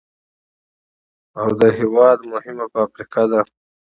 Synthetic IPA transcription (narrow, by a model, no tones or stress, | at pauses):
awd̪əɦɪwɑd̪mʊhɪmapəafɾikɑd̪a